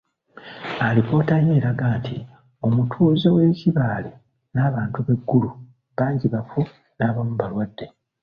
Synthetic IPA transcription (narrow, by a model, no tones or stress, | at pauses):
alipo̞ːtaje̞ːɾaɡaːntʰi | o̞mutʰuːzewe̞ːciβaːle | naːβaːntuβe̞ɡːulu | βaːɲɟiβafu | naːβamuβalwadːe̞